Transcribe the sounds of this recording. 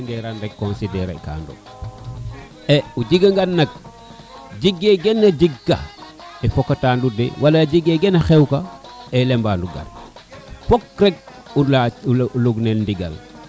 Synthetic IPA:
ŋɡeɾanɾekːonsideɾa̰ḭka̰ːndṵ | eud͡ʒiɡaŋɡannːak̚ | d͡ʒiɡːeɡenːad͡ʒiɡːa̰ | efokːataːndudḛwalad͡ʒiɡeɡenaxewkaelembanduɡa̰ɾ | fokɾeɡ̚ | ualuɡnelndiɡa̰l

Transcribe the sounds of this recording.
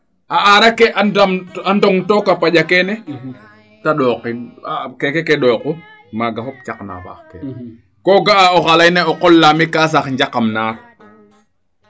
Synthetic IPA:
ʔaʔaɾakɛʔadamandɔŋtɔkapaʄakɛnɛ | taɗɔqinakɛkɛkɛɗɔːku | maɡaɦɔp̚t͡ʃakna̰fa̰xkɛ̰ | kɔɡaaɔxalajnɛɔqɔlːamikas̬axɲd͡ʒakamnaːɾ

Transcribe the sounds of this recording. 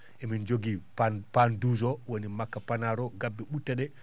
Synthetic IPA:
ʔɛmind͡ʒoɡippanduzɔwonimakːapanaɾɔɡabːɛɓutːaɗɛ

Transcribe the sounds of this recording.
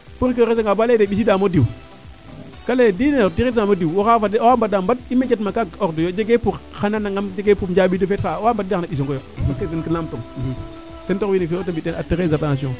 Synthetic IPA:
puɾk̬ees̬eŋɡabaledeɓis̬idamodiw | kaledinetiiamodiwwokafadwambadambat̚imet͡ʃet̬makaokdojod͡ʒeɡepuxananaŋad͡ʒeɡepud͡ʒaɓidofetxawambdidnaɓis̬oŋɡojomaskadenkəlamtom | tentowinifetambitenatiɣezatanasiõ

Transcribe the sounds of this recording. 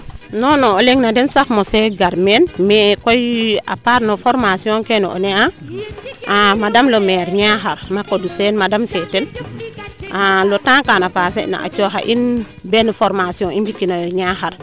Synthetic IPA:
nɔnooleŋnadɛnsaxmoseɡaɾmenmekoja̰paɾnofɔɾmasiɔ̃ŋkeno̰ʔo̰nea | amadamlomɛɾɲaxaɾmakodisenmadamfetɛl | alotãŋkanapasḛna̰ʔa̰t͡ʃoxa̰ʔin | bɛnfoɾmasiɔ̃ŋinbikːinojoɲaxaɾ

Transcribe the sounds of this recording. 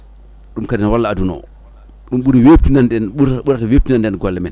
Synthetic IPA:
ɗumkadɛnwalːaːdunɔ̰ | ɗumɓuɾiweːp̚tinandɛnuɓuɾataweːp̚tinandɛnɡɔlːɛmɛn

